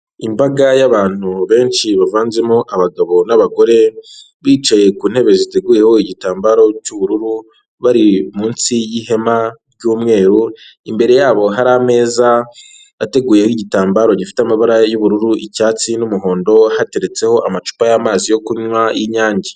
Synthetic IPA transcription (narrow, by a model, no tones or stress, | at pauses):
imbaɡajaβaːn̥uβe̞ːnt͡ʃiβavaːnzemoʔaβaɡaβo̞naβaɡo̞ɾe̞ | βiːt͡ʃaje̞kuːn̥he̞βe̞zite̞ɡuːje̞ho̞iɟitaːmbaɾo̞cuβuɾuɾu | βaɾimuːnsijihe̞maɾɟuːmŋe̞ːɾuimbe̞ɾe̞jaːβo̞ɦaɾame̞ːzaː | te̞ɡuːjeiɟitaːmbaɾo̞ɟifi̥teamaβaɾajuβuɾuɾuʔicaːt͡sinumuɦo̞ːndo̞hate̞ɾe̞t͡se̞ho̞ʔamat͡ʃu̥pajaːmaːzijo̞kuɲwajiɲaːɲɟe